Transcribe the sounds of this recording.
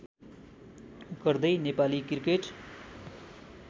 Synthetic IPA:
ɡʌrd̪ʌjnepalikirkeʈ

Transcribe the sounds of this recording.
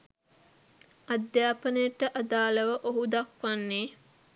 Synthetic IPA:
ɐd̪jaːpənəjəʈːəʔad̪aːlɐʋɐʔoɦud̪ɐkʋanːeː

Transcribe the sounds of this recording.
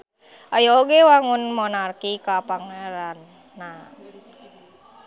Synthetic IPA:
ajaoɡɛwaŋunmɔnarkikapaŋeɛɾanː | a

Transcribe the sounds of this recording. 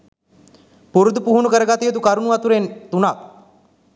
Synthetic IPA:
puɾud̪puɦunukəɾəɡat̪ijət̪ukaɾunuat̪uɾent̪unak̪̚

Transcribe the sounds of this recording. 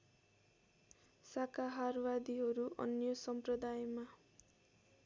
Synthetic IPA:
sakaɦarwad̪iɦʌɾuʔʌ̰njʌsʌmprʌd̪ajma

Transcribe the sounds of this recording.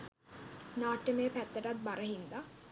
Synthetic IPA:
naːʈːemejpæt̪ːəʈat̪̚baɾəɦind̪a

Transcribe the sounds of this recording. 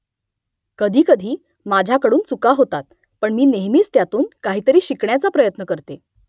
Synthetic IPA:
kəd̪ʱiːkəd̪ʱiː | mad͡ʑʱjakəɽuːnt͡sukaɦot̪at̪̚ | pəɳmiːneɦmiːt͡st̪jat̪uːnkaɦiːt̪əɾiːɕikɳjat͡sapɾəjət̪nəkəɾt̪e

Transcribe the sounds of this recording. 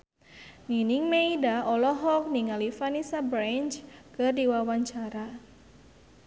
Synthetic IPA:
ninɪŋmeidaɔlɔɦɔk̚niŋalifanisabɾant͡ʃkərdiwawaɲt͡ʃaɾa

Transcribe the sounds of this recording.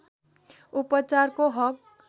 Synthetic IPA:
upʌt͡sarkoɦʌk̚

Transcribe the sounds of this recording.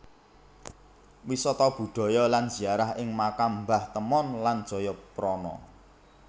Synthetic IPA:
wisɔt̪ɔb̥ṳd̪̥ɔ̤jɔlanz̥i̤aɾahɪŋmakambaht̪əmɔnland̥ʒ̥ɔ̤jɔpɾɔnɔ̰

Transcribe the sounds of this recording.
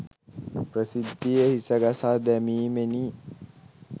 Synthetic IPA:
pɾəsid̪ʱːijəhisəɡasaːd̪æmiːmeniː

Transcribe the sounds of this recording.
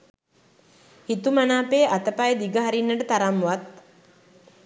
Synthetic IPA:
hit̪umanaːpeːʔat̪əpajəd̪iɡəɦaɾinːəʈət̪aɾamːʋat̪

